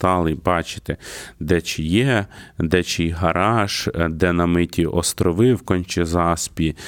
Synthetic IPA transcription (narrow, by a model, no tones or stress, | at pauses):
t̪ɑlˠɪbɑt͡ʃɪ̥t̪ɪd̪ɛt͡ʃɪjɛd̪ɛt͡ʃɪjɦɐɾɑʃd̪ɛnɐmɪtʲiʔɔst̪ɾɔʋɪwkɔnʲt͡ʃɪzɑspʲi